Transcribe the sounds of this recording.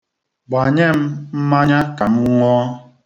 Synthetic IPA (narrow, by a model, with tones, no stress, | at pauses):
ɡ͡ba˨ɲe˦˨m̩˦m̩˦ma˦ɲa˦ka˨m̩˦ŋʷɔː˦